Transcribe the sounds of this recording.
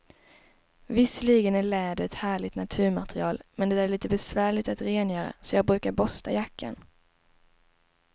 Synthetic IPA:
vɪsliːɡənæɭɛːd̪ɛt̪hæːɭɪt̪nat̪ʰʉ̟ːɾmat̪ɾɪɑːlmɛnd̪ɛt̪æːɭiːt̪əbɛsvæːɭɪt̪at̪ɾeːnjaɾa̰sɔjɑːɡ̚bɾʉ̟ːkaɾbɔst̪ajakʰːa̰n

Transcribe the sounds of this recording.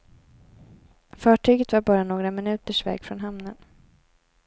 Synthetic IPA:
fœːʈʰyːɡət̪vaɾbɑːɾanoːɡɾamɪnʉ̟ːt̪əʂvɛ̰ːɡfɾɔnɦamnən

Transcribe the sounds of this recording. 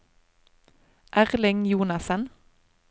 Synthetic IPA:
ʔæʁlɪŋjuːnɑsən

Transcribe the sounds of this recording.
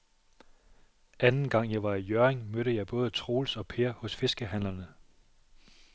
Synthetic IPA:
ʔænn̩ɡ̥ɑ̈ŋ̰jɑ̈ɪʋɑ̈ijøɐeŋmøɾəjɑ̈ɪb̥ɔ̽ːð̞̩ˠət͡sʰʁo̝ːlsɒ̽pʰe̝ːɐhɔ̽sfe̝sɡ̥əɦæn̰lɐnə

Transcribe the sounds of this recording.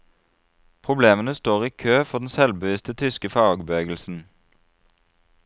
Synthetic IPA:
pʰʁʊbleːmənəst̪oːʁiːkʰøːfɔʁd̪n̩sɛlbəʋiːst̪ət̪ʰʏskəfɑːɡbøːɡl̩sn̩

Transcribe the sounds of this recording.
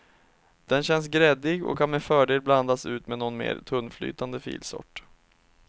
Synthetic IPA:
d̪̥ɛnɕɛns̬ɡɾɛd̪ɪɡɔ̰kʰːanmɛfœːɖeːlbland̪asʉ̟ːt̪mɛnɔnmḛːɾt̪ʰɵnːfly̰ːt̪and̪əfḭːlsɔ̰ʈː

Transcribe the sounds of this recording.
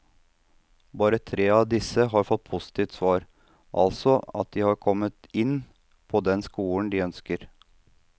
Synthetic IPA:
bɑːɾət̪ʰɾeːɑʋd̪ɪsəɦɑːɾfɔt̪̚ːpʰʊsɪ̥t̪ʰiːʋt̪sʋɑːɾ | ʔɑ̰lsɔɑ̰t̪̚d̪iːhɑːɾkʰɔmːət̪ɪn | pʰɔd̪ɛnskuːn̩d̪iːœnskəɾ

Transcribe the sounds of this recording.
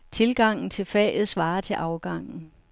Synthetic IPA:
t͡sʰe̝lɡ̥ɑ̈ŋ̰n̩t͡sʰe̝lfɛ̰ːð̩ˠsʋɑ̈ːt͡sʰe̝lʔɑ̈ʊɡ̥ɑ̈ŋ̰n̩

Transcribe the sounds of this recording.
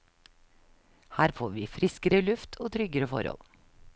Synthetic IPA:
hæːɾfoːʋiːfɾɪskəɾəlʉft̪ʰoːt̪ʰɾʏɡəɾəfɔ̰ɾɔ̰l

